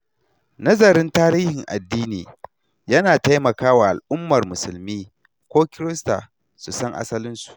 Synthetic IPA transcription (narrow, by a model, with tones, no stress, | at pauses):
nɐ˦zɐ˨ɾɪ˦ntaː˦ɾiː˦hɪ˨ŋʔa̰˨dːiː˦niː˨ | jɐ˦naː˨ta˦jmɐ˨kaː˦wa˨ʔa˨lʔʊ˦mːɐ˨rmʊ˨sʊ˨lmiː˦ | kʷoː˦kʲɪ˦ɾɪ˦sta̰ː˨ | su˨sɐ˦ŋʔa̰˦sɐ˦lɪ˦nsu̥˨ʔ